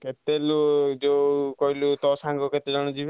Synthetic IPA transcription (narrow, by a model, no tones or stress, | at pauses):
ket̪elud͡ʒokɔɦilut̪ɔsaŋɡɔket̪ed͡ʒɔɽ̃ɔd͡ʒib